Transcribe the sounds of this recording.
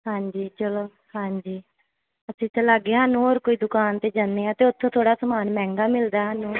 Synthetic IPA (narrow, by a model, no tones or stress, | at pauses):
hãːɲd͡ʒiːt͡ʃəloː | hãːɲd͡ʒiː | əsĩːt̪ə̃laɡeːɦaːnũːoːɾkoːiːd̪ʊkaːnt̪eːd͡ʒand̪eːãːt̪eːʊt̪ʰːõːt̪ʰoːɽaːsəmaːnmɛ̃ːŋɡaːmɪld̪aːɦanũː